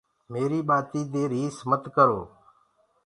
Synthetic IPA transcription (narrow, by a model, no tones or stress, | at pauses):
meːɾiːɓaːt̪iːd̪eːɾiːsmət̪kəɾoː